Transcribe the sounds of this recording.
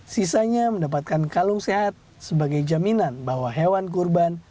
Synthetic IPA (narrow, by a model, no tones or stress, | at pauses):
sisaɲaməndap̬at̪̚kankaluŋseɦat̪̚ | səbaɡajd͡ʒaminanbawaɦewank̬urban